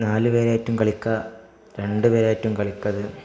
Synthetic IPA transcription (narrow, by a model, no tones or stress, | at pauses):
naːlɨpeːɾaːjɐtːumkɐɭikːɐ | ɾe̞ɳɖɨpeːɾaːjɐtːumkɐɭikːɐðɨ